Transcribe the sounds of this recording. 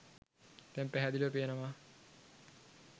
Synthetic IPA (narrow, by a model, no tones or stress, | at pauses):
t̪ɛmpæɦæd̪iləpijenəʋaː